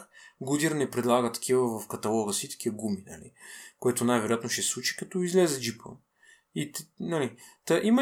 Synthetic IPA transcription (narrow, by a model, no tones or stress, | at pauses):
ɡud̪ʲiɾnɛpɾɛd̪lˠaɡət̪ɐ̥kʲivəvɐfkɐt̪ɐlˠɔɣəsit̪ɐ̥kʲiəɡuminɐ̰lḭkoɛt̪onajvɛɾojat̪noʃɛsslˠut͡ʃi̥kɐt̪ɔizlɛzɛd͡ʒipə̰ | it̪nɐlit̪əʔimə